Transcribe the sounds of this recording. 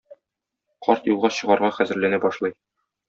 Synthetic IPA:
qɒɾt̪julˠʁɑɕɤ̆ʁɑɾʁɑχæzɘ̆ɾlænæbɒʃlˠɑj

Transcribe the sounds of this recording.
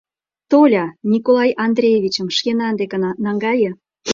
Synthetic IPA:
t̪olʲɑnʲikolˠɑjɑnd̪rʲejeβʲit͡ɕə̆mʃkenɑnd̪ekenɑŋɡɑjə̆

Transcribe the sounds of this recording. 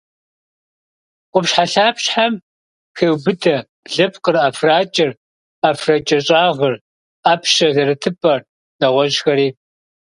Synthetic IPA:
qʷʊpɕħaɬaːpɕħam | xeːwbɨdɐ | ɮɐpʰqərafraːt͡ʃʼɪr | afrɐt͡ʃʼɐɕʼaːʁɐr | aːpʰɕɐzɐɾɨtʰɨpʼɐr | nɐʁʷɔʒxɐɾiː

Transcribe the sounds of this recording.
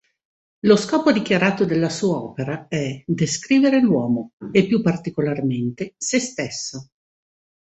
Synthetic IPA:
loskɔːpod̪ikjaɾaːt̪od̪elːasuːaɔːpeɾaɛd̪eskɾiːveɾelwɔːmoepːjupːart̪ikolarment̪esest̪esːo

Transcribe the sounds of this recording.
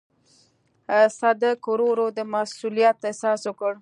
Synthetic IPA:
sad̪əkoɾoɾod̪əmasulijat̪ːesɑswəkəɽ

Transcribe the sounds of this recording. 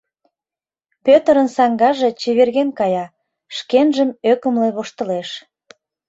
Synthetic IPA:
pøt̪əɾənsɑŋɡɑʒet͡ɕiβerɣenkɑjɑ | ʃkenʒəmøkəmleβoʃt̪ə̆leʃ

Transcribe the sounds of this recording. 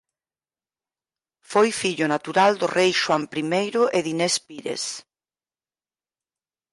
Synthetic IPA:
fojfiʎʊnat̪uɾald̪ʊrʔejʃwampɾimejɾʊʔeðinɛspiɾḛs

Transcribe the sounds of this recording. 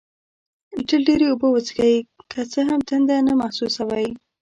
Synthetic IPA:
ʈəlɖeɾeobəwət͡sɡajkʰət͡səɦamt̪ənd̪anamahsusawaj

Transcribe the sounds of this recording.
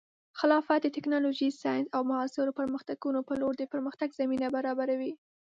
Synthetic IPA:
xɪlɑfat̪̚d̪ət̪ɪknɑloʒisɑjnsawmaɑsɪɾopəɾməxt̪aɡ̥unopəloɾd̪əpəɾməxt̪aɡzaminabaɾɑbaɾawi

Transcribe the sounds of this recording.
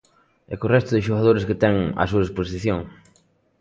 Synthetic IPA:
ɛ̰korɛst̪ʊðɪʃoɣaðoɾɪskɪt̪ɛŋa̰s̬uɐesposiθjoŋ

